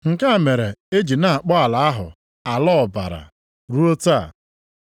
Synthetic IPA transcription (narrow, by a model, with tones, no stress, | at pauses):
ŋ̩˨ka˦a˨me˨ɾe˨e˦d͡ʒi˨na˨a˨k͡pɔ˦a˨la˨a˦ɦʊ̰˨ | a˨lɔ˦˨ba̰˨ɾa̰˨ | ɾu˦o˦ta˦˨